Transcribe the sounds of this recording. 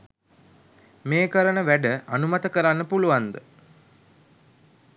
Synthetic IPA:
meːkəɾənəʋæɖəanumat̪əkəɾanːəpuluʋand̪ə

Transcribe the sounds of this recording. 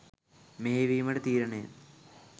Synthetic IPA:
meeʋiːmɐɽet̪iːɾɐɳeː

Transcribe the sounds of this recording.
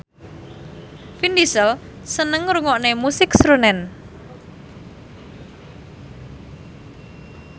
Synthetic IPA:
findisəl | sənəŋɾuŋɔʔnemusɪksɾunɛn

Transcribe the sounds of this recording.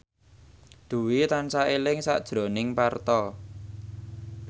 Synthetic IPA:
d̪̥ṳwit̪ansaelɪŋsa̰ʔd̥ʒ̥ɾo̤nɪŋpart̪ɔ

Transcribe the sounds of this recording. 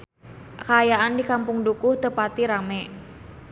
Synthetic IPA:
kaːjaʔandikampʊŋdukʊht̪əpat̪iɾamɛ

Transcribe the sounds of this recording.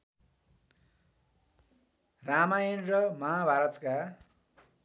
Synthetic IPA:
ramajʌnrʌmʌɦabʱaɾʌt̪ka

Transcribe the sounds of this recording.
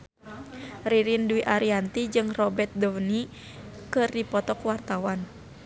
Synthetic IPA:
riɾinduiʔaɾiant̪id͡ʒɨŋrɔbɛrt̪̚dɔwni | kɨrdipɔt̪ɔkwart̪awan

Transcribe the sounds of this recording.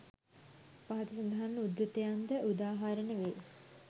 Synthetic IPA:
paɦat̪usɐnd̪ɐɦanːəud̪ɾut̪ejand̪əʔud̪aːɦaɾənəʋe

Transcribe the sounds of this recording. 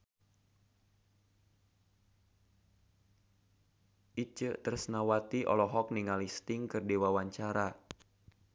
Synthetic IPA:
ʔit͡ʃət̪ərsnawat̪iʔɔ̰lɔɦɔk̚niŋalist̪iŋkɨrdiwawaɲt͡ʃaɾa

